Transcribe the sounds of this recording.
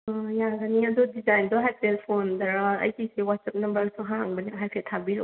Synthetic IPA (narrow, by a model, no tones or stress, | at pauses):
jaɡɐniɐdudizajndɔɦajpʰelpʰondɐɾaɐ̰jkʰisewatsap̚nɐmbɐɾsuɦaŋbɐniŋɦajpʰeltʰabiɾo